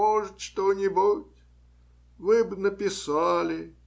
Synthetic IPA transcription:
oʐɨt̪ʂt̪onʲɪbutʲ | vɨbnəpʲɪsalʲɪ

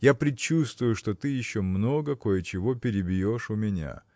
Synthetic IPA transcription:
japɾʲɪt͡ɕːust̪vʊjʊʂt̪o̞t̪ɨjɪɕːo̞mno̞ɡəko̞jɪt͡ɕɪvo̞pʲɪɾʲɪbʲjoʂʊmʲɪnʲa̰

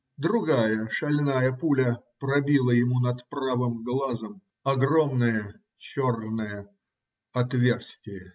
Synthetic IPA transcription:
d̪ɾʊɡajəʂɐlʲnajəpulʲəpɾɐbʲilˠəjɪmunɐt̪pravɨmɡlˠazəm | ɐɡro̞mnɨjə | t͡ɕornɨjə | ɐt̪vʲe̞rsʲtʲɪjə

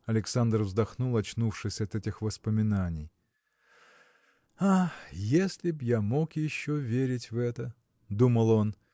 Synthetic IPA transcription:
ɐlʲɪksand̪rvzd̪ɐxnulˠɐt͡ɕnufʂɨsʲɐt̪ɛtʲɪxvəspəmʲɪnanʲɪj | ajesʲlʲɪbjamo̞kjɪɕːovʲeɾʲɪtʲvɛt̪ə | d̪uməlˠo̞n

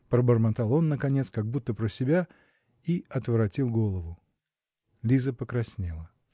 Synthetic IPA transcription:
pɾəbərmɐt̪alˠo̞nːəkɐnʲe̞t̪skaɡ̚but̪ːəpɾəsʲɪbʲa | iɐt̪vɾɐtʲilˠɡo̞lˠəvʊ | lʲizəpəkɾɐsʲnʲelˠə

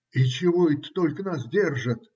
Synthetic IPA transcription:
it͡ɕɪvoɛt̪ə̥t̪olʲkənasdʲe̞rʐət̪

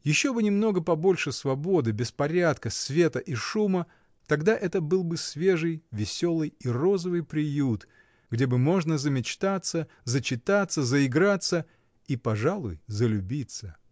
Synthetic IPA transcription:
jɪɕːo̞bɨnʲɪmno̞ɡəpɐbo̞lʲʂɨsvɐbo̞d̪ɨbʲɪspɐɾʲat̪kəsvʲe̞t̪əʔiʂumə | t̪ɐɡd̪aʔɛt̪əbɨlˠbɨsvʲe̞ʐɨjvʲɪsʲo̞lˠɨjiro̞zəvɨjpɾʲɪjut̪ | ɡdʲe̞bɨmo̞ʐnəzəmʲɪt͡ɕt̪at̪sːə | zət͡ɕɪt̪at̪sːəzəɪɡɾat̪sə | ipɐʐalˠʊ̰jzəlʲʊbʲit̪sə

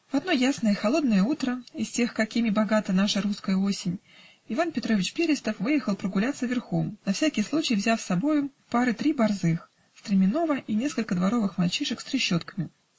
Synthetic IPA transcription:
vɐd̪no̞jasnəjəixɐlˠo̞d̪nəjəut̪ɾəɪsʲtʲe̞xkɐkʲimʲɪbɐɡat̪ənaʂəɾuskəjəo̞sʲɪnʲ | ɪvanpʲɪt̪ɾo̞vʲɪt͡ɕpʲeɾʲɪst̪əfvɨjɪxəlˠpɾəɡʊlʲat̪səvʲɪrxomnɐfsʲækʲɪjslˠut͡ɕɪjvzʲafsɐbo̞jʊpaɾɨt̪ɾʲibɐrzɨx | st̪ɾʲɪmʲɪno̞vəʔinʲe̞skəlʲkəd̪vɐɾo̞vɨxmɐlʲˠt͡ɕiʂɨksɾʲɪɕːo̞t̪kə̥mʲɪ

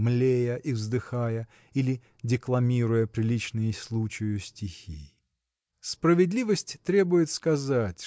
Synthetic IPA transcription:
mlʲejəʔivzd̪ɨxajə | ilʲɪ | dʲɪklˠɐmʲiɾʊjəpɾʲɪlʲit͡ɕnɨjɪsʲlˠut͡ɕɪjʊsʲtʲɪxʲḭ | spɾəvʲɪd̪lʲivəsʲtʲt̪ɾʲe̞bʊjɪt̪skɐzatʲ

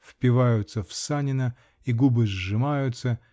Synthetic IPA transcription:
fpʲɪvajʊt̪səfsanʲɪnə | iɡubɨzʐɨmajʊt̪sə

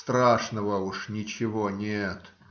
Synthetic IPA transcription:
st̪ɾaʂnəvəuʂnʲɪt͡ɕɪvonʲet̪

